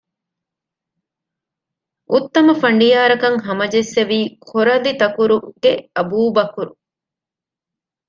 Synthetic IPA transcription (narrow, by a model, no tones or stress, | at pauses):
ʔut̪ːɐmɐfɐɳɖijaːɾɐkɐŋɦɐmɐd͡ʒesːeʋiːkʰoɾɐlit̪ɐkuɾuɡ̥eɐbuːbɐkuɾu